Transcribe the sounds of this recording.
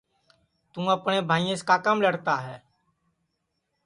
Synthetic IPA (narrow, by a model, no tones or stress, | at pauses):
t̪ũːəpɳẽːbʱaːijẽskaːkaːmləɽt̪aɦɛː